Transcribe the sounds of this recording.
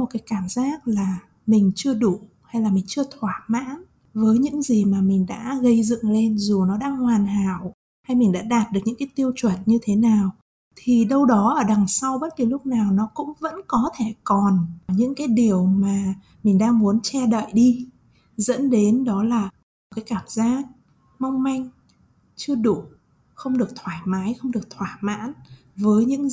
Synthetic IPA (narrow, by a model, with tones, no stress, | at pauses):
mo˨˩t̚kaː˨˦jkaː˧˩mzaː˦˥k̚laː˨˩ | mï˨˩ŋ̟t͡ɕɨ˧əɗu˧˩ | ha˧jlaː˨˩mi˨˩ŋ̟t͡ɕɨ˧ət̪ʰwaː˧˩ma̰ː˧˥n | vəː˨˦jɲɨ̰˧˥ŋzi˨˩maː˨˩mï˨˩ŋ̟ɗa̰ː˧˥ɣə˧jzɨ̰˧˨ŋle˧nzu˨˩nɔ˨˦ɗaː˧ŋhwaː˨˩nɦaː˧˩˨w | ha˧jmï˨˩ŋ̟ɗa̰ː˧˥ɗaː˨˩t̚ɗɨ˨˩k̚ɲɨ̰˧˥ŋkːaː˨˦jt̪i˧əwt͡ɕwə˧˩nɲɨ˧t̪ʰe˨˦naː˨˩w | t̪ʰi˨˩ɗə˧wɗɔ˨˦ʔəː˧˩ɗa˨˩ŋsa˧wɓə˦˥t̚ki˨˩lʊ˦˥k͡p̚naː˨˩wnɔ˨˦kʊ̰˧˥ŋ͡mvə̰˧˥nkɔ˨˦t̪ʰe˧˩kɔ˨˩nɲɨ̰˧˥ŋkaː˨˦jɗi˨˩əwmaː˨˩ | mï˨˩ŋ̟ɗaː˧ŋmu˨˦ənt͡ɕɛ˧ɗə̰ː˧˨jɗi˧ | zə̰˧˥nɗe˨˦nɗɔ˨˦laː˨˩˨ | kaː˨˦jkaː˧˩mzaː˦˥k̚ | ma˧wŋ͡mma˧jŋ̟ | t͡ɕɨ˧əɗu˧˩ | xə˧wŋ͡mɗɨ˨˩ək̚t̪ʰwaː˧˩jmaː˨˦jxə˧wŋ͡mɗɨ˨˩ək̚t̪ʰwaː˧˩ma̰ː˧˥n | vəː˨˦jɲɨ̰˧˥ŋ